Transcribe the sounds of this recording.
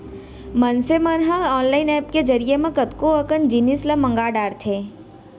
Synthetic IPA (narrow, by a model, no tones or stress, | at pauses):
mənseməɾɦəɔːnlaːɪnɛːpked͡ʒɐɾijemẽkət̪koəkənd͡ʒinislɐmɐ̃ŋɡaːɖaːɾt̪ʰe